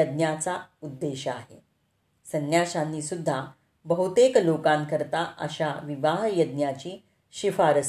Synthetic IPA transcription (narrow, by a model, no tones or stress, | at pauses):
əd̪̚njat͡saud̪ːeɕəa̰ɦḛ | sənjaɕanːiːsud̪ʱːa | bəɦut̪eklokãnkəɾt̪aʔə̰ɕaʋiʋaɦjəd̪̚njat͡ɕiː | ɕifaɾəs